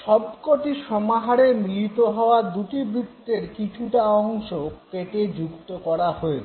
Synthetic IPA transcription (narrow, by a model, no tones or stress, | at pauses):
ʃɔbkot̪iʃɔmaɦaɾemilit̪oɦɔoad̪uʈibɾid̪ːeɾkit͡ɕʰuʈaɔŋʃokeʈed͡ʑukt̪okɔɾaɦoe